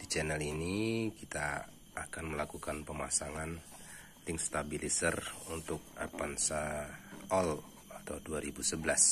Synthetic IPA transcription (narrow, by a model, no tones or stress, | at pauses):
dit͡ʃɛnɛlinikit̪aː | kanməlakukanpəmasaŋan | t̪ɪŋst̪abilisərunt̪ʊk̚a̰pansa | ɔl | at̪awduaɾibusəbəlas